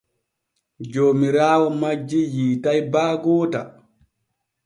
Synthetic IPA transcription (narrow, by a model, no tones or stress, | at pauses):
d͡ʒoːmiɾaːwɔmad͡ʒːijiːtajbaːɡɔːta